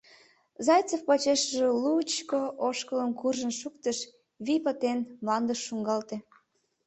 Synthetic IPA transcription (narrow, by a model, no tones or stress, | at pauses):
zɑjt͡sofpɑt͡ɕeʃəʒelut͡ɕkoʔoʃkələmkurʒənʃukt̪əʃ | βipət̪enmlɑnd̪əʃːuŋɡɑlt̪e